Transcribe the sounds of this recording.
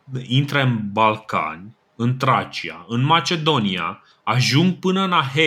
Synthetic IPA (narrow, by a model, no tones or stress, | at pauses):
int̪ɾeɨnbalka̰nʲ | ɨnt̪ɾat͡ʃia̰ɨnmat͡ʃe̞d̪o̞nia | aʒuŋɡ̚pɨnəɨnaɦe